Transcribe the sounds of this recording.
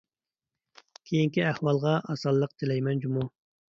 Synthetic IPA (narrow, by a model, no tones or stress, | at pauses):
kʲʰejiŋkʲiæhwɑlˠʁɑʔɑsɑlˠːəqt̪ʰɪlɛjmɛnd͡ʒumu